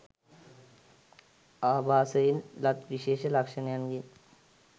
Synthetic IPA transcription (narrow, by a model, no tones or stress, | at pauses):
aːbʱaːsɐjinlɐt̪ʋiʃeːʃɐlɐkʂɐnjɐnɡin